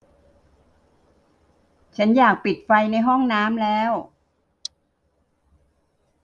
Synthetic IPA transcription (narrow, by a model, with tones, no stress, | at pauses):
t͡ɕʰa˦˥njaː˨˩k̚pi˨˩t̪̚fa˧jna˧jɦɔ˥˩ŋnaː˦˥mlɛː˦˥w